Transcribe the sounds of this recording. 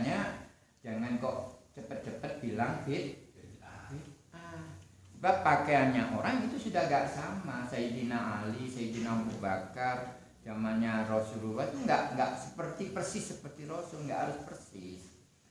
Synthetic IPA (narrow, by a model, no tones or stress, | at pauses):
ɲa | d͡ʒaŋankɔʔt͡ʃəpət̪̚t͡ʃəpət̪̚bilaŋfɪt̪̚ | t̪əsəbapːakeanɲaʔoɾaŋɡit̪usudahɡaʔsamasajid͡ʒinaalisajid͡ʒinaububakar | zamanɲaɾosuɾubat̪uŋɡaʔŋɡaʔsəpərt̪ipərsɪsːəpərt̪iɾosʊlŋɡa̰ʔɦaɾʊspərsɪs